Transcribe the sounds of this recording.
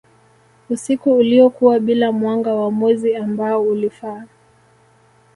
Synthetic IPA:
usikuːliɔkuwaɓilamwaŋɡawamwɛziambaɔulifaː

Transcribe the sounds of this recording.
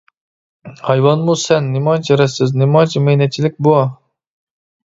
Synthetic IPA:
hɑjwɑnmusɛnːɪmɑjt͡ʃʰiɾɛsɪznɪmɑt͡ʃʰimɛjnɛt̪̚t͡ʃʰːilɪk̚ʲbuɑ

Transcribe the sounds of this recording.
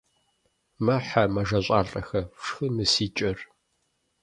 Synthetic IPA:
mɐħamɐʒɐɕʷʼaːɬʼɐxɐʂxɨmɨsiːt͡ʃʼɐr

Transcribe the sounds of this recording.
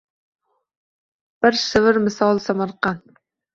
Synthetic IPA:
b̥ɪɾsɪvɪɾmɪsɑlˠsæmɑɾqɑn

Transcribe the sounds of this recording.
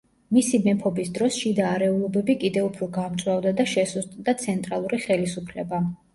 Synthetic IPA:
misimɛpʰɔbisd̪ɾɔsʃid̪aːɾɛulˠɔbɛbikʼid̪ɛupʰɾɔɡamt̪sʼwavd̪ad̪aʃɛsuzt̪ʼd̪at̪sʰɛnt̪ʼɾalˠuɾiχɛlisupʰlɛba

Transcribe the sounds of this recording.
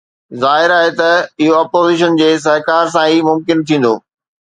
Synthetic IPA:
zaːɦɪɾaːɦet̪ɐɪɦoɐpoːziːʃ̬ənd͡ʑeːs̬ɐɦkaːɾs̬ãiːmʊmkɪnt̪ʰĩːn̆d̪o̰ː

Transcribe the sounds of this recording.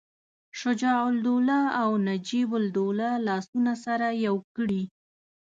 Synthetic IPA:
ʃʊd͡ʒɑʊld̪olaawnad͡ʒibʊld̪olalɑsunasaɾajawkəɽi

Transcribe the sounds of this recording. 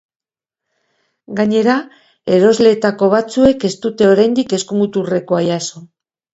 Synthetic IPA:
ɡaɲe̞ɾa | e̞ɾo̞zle̞ːt̪ako̞β̞at͡sue̞ke̞st̪ut̪e̞o̞ɾajnd̪ike̞skumut̪ure̞ko̞ajaso̞

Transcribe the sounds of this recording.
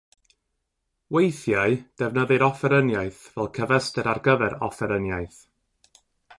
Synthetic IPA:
wejθjaɨd̥ɛvnəðɨɾɔfɛɾənjaɨθvɛlˠkʰəvəstɛɾarɡəvɛɾɔfɛɾənjajθ

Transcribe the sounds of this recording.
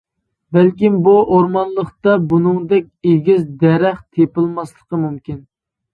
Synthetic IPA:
bælkʲimbuʔoɾmɑnlˠəχt̪ɑbunɨŋd̪ɛk̚ʲeɡʲizd̪ɛɾɛχt̪ʰepɨlˠmɑslˠəqəmumkʲin

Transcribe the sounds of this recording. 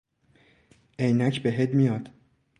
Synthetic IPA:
ʔejnæcʰbe̞ɦed̪mijɒːd̪̥

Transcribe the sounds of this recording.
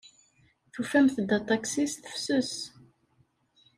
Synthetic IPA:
θufæmθd̪ːæt̪ˤɑksisθə̥fsus

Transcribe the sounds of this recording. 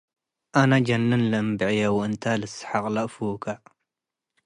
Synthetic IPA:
ʔanad͡ʒɐnːɨnlɐmbɨʕjɐwɨnt̪ʰalɨsħaqʼlɐʔfukʰa

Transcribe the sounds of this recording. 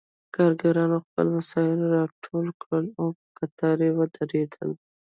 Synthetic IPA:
kɑɾɡaɾɑnoxpə̰lmasɑɪloɾɑʈʰolkɽəlopəkat̪ɑɾewəd̪aɾed̪ə̰l

